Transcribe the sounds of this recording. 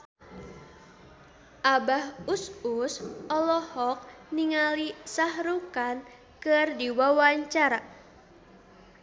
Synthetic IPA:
ʔabahususɔlɔhɔk̚niŋalisahɾukan | kɨrdiwawaɲt͡ʃaɾa

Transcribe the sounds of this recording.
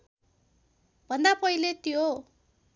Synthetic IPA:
bʱʌnd̪apʌɦilet̪jo

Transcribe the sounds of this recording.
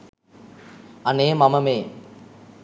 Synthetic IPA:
aneːmaməmeː

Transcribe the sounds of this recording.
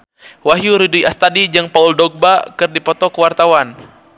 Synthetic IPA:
waɦjuɾiduiʔast̪adid͡ʒɨŋpauldɔɡ̚bakɨrdipɔt̪ɔkəwart̪awan

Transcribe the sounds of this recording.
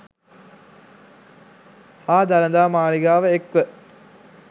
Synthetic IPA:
haːd̪aləd̪aːmaːɭiɡaːʋəekʋə

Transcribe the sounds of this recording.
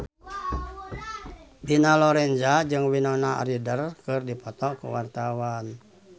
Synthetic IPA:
binalɔɾɛnd͡ʒad͡ʒɨŋwinɔnaa̰ɾidərkɨrdipɔt̪ɔkṵwart̪awan

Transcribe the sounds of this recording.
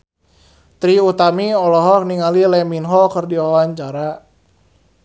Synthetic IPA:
t̪ɾiut̪amiɔlɔɦɔk̚niŋalilɛminɦɔkərdiwawaɲt͡ʃaɾa

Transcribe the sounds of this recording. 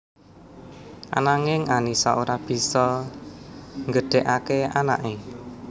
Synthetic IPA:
ʔa̰naŋɪŋanisaʔoɾab̥i̤sɔ | ŋɡəɖ̥ɛ̤ʔakeana̰ʔe

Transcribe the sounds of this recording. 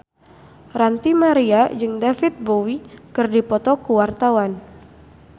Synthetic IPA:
rant̪imaɾiad͡ʒɨŋdafɪt̪̚bowikɨrdipɔt̪ɔkuwart̪awan

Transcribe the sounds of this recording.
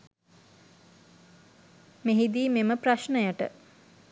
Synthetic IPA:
meɦid̪iːmeməpraʃnəjəʈə̰

